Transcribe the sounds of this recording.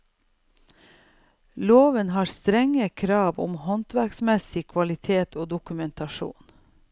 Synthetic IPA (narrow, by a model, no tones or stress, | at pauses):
loːʋənhɑːɾst̪ɾɛŋəkʰɾɑːʋʊ̰mhɔnt̪ʋæɾksmɛsɪkʰʋɑlɪt̪ʰeːt̪ʰoːd̪ʊkʉmɛnt̪ɑʃṵːn